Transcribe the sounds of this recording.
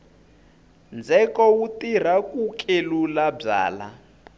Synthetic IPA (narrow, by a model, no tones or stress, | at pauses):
nd͡zʱɛkɔwutir̤akukʼelulab͡ʐa̰ːla̰